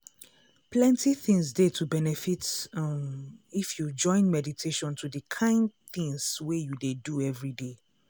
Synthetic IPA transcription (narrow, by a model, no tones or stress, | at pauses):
plɛ̃ntiθĩŋsdetʰubɛnɛfit | ifjud͡ʒɔ̃ɪ̃nmɛditʰeʃɔ̃ntʰudəkʰãɪ̃nd̚θĩŋswejudeduɛvɹide